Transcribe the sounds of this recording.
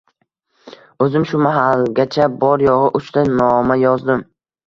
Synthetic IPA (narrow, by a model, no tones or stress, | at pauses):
ɵzɪmʃʊmaɦalɡʲat͡ʃʰabɒɾjɒʁɨʔʊt͡ʃt̪ʰanɒmajɒzd̪ɪm